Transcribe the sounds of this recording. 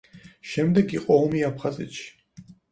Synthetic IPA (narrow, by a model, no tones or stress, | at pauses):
ʃɛmd̪ɛɡiqʼɔɔmiapʰχazɛ̰t̪ʃi̥